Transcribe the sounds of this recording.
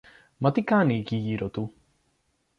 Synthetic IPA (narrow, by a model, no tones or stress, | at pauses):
mɐt̪ikaːnikijiɾot̪u